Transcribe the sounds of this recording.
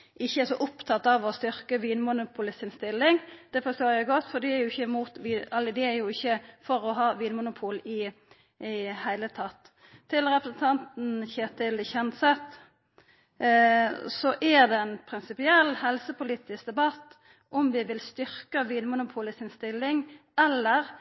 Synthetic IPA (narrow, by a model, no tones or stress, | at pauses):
ɪçːəɛʂɔʔʊpt̪ʰɑt̪ːɑʋɔst̪ʏɾkəʋiːnmʊnʊpʰʊlɪsɪnst̪ɪlːɪŋd̪̥ɛfɔst̪oːɾjæɪɡɔt̪ːfɔd̪ɪæɾjʊɪçəɪmuːt̪ʋiːɛlːəd̪ɪæɾjʊɪçːəfɔɾɔɦɑːʋiːnmʊnʊpʰuːlɪ | hæɪlət̪ʰɑt̪ʰː | ɪlʁɛpɾəsn̩t̪ʰɑnt̪n̩çeːt̪ʰɪlçɛnsɛt̪ | sɔʔɛʁd̪ɛɛnpʰɾɪnsɪpɪɛlːhɛlsəpʊliːt̪ɪsk̚d̪ɛbɑt̪ː | ʔɔmʋɪʋɪlst̪ʏɾkəʋiːnmʊnʊpʰuːlɪsɪnst̪ɪlːɪŋɛlːəɾ